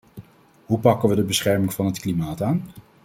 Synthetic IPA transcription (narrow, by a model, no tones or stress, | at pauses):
ɦupɑkənʋədəbəsχɛɹmɪŋv̥ɑnɦətklimaːtaːn